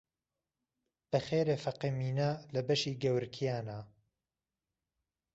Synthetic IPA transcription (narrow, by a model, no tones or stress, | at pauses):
b̥ɐχeːɾeːfɐqimiːnalɐbɐʃiːɡɐwɾkʰijaːna